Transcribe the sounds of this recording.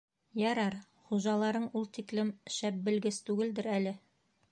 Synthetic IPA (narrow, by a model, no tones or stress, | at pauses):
jɑɾɑɾ | χuʒɑlˠɑɾɤɴulˠt̪iklɘmʃæp̚bɘ̆lɡɘst̪ʉɡɘld̪ɘɾælɘ